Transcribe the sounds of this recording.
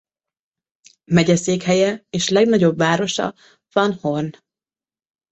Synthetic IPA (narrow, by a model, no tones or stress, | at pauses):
mɛɟɛseːkhɛjɛeːʃlɛɡnɒɟo̞bvaːɾo̞ʃɒ̰ | vɒnhorn